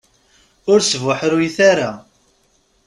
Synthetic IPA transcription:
ʊɾsvaħɾujθaɾa

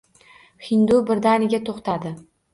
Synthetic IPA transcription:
hɪnd̪ubɪɾd̪anɪɡʲat̪ʰoχt̪ʰad̪ɪ

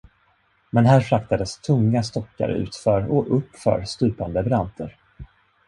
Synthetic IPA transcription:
mɛnɦæːɾfɾakt̪ad̪əst̪ʰɵŋːast̪ɔkːa̰ɾʉ̟̰ːt̪fœɾɔʔɵpːfœ̰ːɾst̪ʉ̟ːpand̪əbɾant̪ʰəɾ

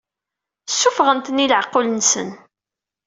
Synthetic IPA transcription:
sːufʁənt̪ənːiləʕəqːʊlənsə̰n

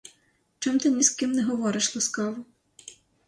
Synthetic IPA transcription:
t͡ʃɔmt̪ɪnʲiskɪmnɛɦɔʋɔɾɪʃlˠɐskɑʋʊ

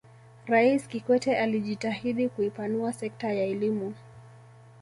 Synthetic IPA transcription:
ɾaiskikwɛtɛʔaliʄitahiɗikuipanuasɛk̚tajaɛlimu

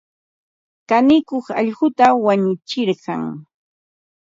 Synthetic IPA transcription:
kanɪkoχɑʎɢʊt̪awaɲʊt͡ʃɪɾɢɑ̰ŋ

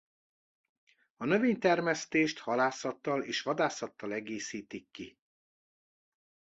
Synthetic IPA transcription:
ɒnø̞veːɲt̪ɛrmɛst̪eːʃt̪hɒlaːsɒt̪ːɒleːʃʋɒd̪aːsɒt̪ːɒlɛɡeːsiːt̪ikːi

